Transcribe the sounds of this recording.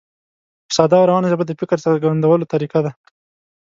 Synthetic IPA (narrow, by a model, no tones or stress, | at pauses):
pə̥sɑd̪ɑɾawɑnaʒəbad̪əfɪkəɾsaaɾɡaand̪awəlot̪aɾiqad̪a